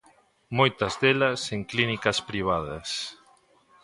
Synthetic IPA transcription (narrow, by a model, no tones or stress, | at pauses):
mojt̪ɐzðelɐseŋklinikɐspɾiβ̞aðɐ̰s